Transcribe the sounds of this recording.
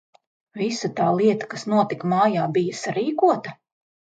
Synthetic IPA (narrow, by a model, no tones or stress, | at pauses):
visɐt̪aːlˠiɛt̪ɐ̥kasnuɔt̪ikmaːjaːbijɐsaɾiːkuɔt̪ɐ